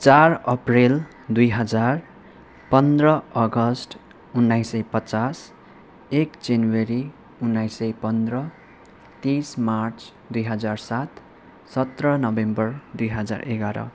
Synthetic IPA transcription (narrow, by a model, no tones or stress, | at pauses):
t͡sarʌprel | d̪ujɦʌd͡zar | pʌnd̪rʌʌɡʌsʈ | unːajsʌjpʌt͡sas | ekd͡zanweɾi | unːajsʌjpʌnd̪rʌ | t̪ismart͡s | d̪ujɦʌd͡zarsat̪ | sʌt̪rʌnʌbembʌrd̪ujɦʌd͡za̰rʔḛɡaɾʌ̰